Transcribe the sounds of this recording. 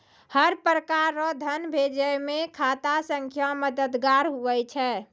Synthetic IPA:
həɾpɾəkaɾːɔd̪ʱənbʱed͡ʒəjmekʰat̪asəŋkʰjaməd̪əd̪ɡaɾɦuʋɛt͡ʃʰɛː

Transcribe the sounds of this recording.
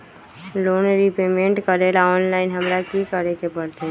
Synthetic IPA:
loːnɾipeːmẽɳʈkəɾelaɔːnlaːɪnɦəmɾakikəɾek̪epəɽt̪e

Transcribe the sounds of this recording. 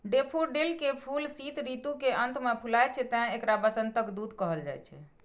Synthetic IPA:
ɖepʰuɖelkepʰulsit̪ɾit̪ukeənt̪mepʰulajt͡ʃʰɛt̪ɛɦekɾabəsənt̪əkd̪ud̪kɔɦəld͡ʒa̰jt͡ʃʰɛ̰

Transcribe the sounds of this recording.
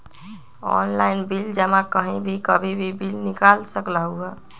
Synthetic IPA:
ɔ̰nlaɪnbild͡ʒəmakəɦĩbʱikəbʱibʱibilnikalsəklaɦuɦɛ

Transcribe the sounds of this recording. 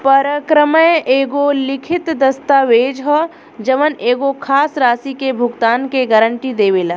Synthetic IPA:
pəɾəkɾəməjeːɡolɪkʰɪt̪d̪ɐst̪aːʋeːd͡ʒɦɔ | d͡ʒɐʋəneːɡokʰaːsɾaːsikebʱʊɡt̪aːnkeɡəɾəɳʈid̪eːʋeːla

